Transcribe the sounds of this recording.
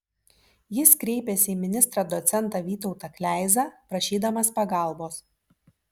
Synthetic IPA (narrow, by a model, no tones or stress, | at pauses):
jɪskɾʲɛɪpʲɛsʲɪiːmʲɪnʲɪst̪ɾɐd̪ɔt̪sʲɛnˑt̪ɑʋʲiːt̪ɔʊt̪ɐklʲæˑɪzɑːpɾɐʃʲiːd̪ɐmɐspɐɡɑˑlˠboːs